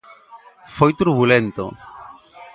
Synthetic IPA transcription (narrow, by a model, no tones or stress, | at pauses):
fojt̪uɾβulẽnt̪o̰